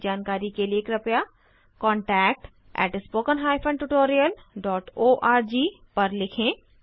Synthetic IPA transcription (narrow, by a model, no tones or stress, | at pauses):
d͡ʒaːnkaːɾikelieːkɾɐpja | kɔ̃ːɳʈɛːk̚ʈ | ɛ̰ːʈspoːkənɦaːjpʰə̃ɳɖʈʊʈoːɾijəlɖɔːʈoːʔaːɾd͡ʒiː | pɐɾlɪkʰẽ